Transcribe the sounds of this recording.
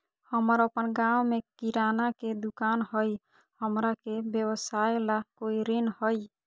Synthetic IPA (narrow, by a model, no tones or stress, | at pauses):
həməɾəpənɡawmekiɾanaked̪ukanɦəj | həmɾakebjəbəsaelakoiɾinhəj